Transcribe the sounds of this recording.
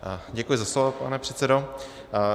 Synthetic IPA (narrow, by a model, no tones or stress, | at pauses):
ɟɛkujɪzaslovopanɛpr̥ɛtt͡sɛdo